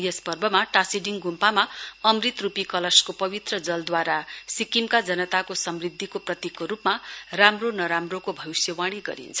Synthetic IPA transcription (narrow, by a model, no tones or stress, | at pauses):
jʌspʌrbʱʌmaʈasiɖiŋɡumpamaʌmrit̪rupikʌlʌskopʌβit̪rʌd͡zʌld̪waɾasikimkad͡zʌnʌt̪akosʌmrid̪ʱːikoprʌt̪ikːoɾupmaramronʌɾamrokobʱʌwisjʌwaɽ̃iɡʌ̰ɾḭnt͡sʰʌ̥